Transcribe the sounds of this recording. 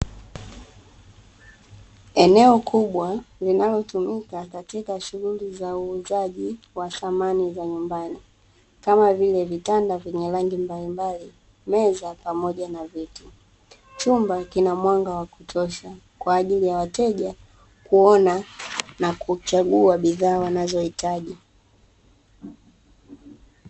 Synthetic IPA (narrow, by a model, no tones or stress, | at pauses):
ɛnɛɔkʰuɓwalinalɔtumikakatikaʃuɣulizauːzaʄi | waθamanizaɲumbani | kamavilɛvitandavɛɲɛlaŋɡimbalimbali | mɛzapamɔʄanaviti | t͡ʃumbakinamwaŋɡawakutʰɔʃa | kwaːʄilijawatɛʄa | kuɔnanakut͡ʃaɠuaɓiðaːwanazɔhitaʄi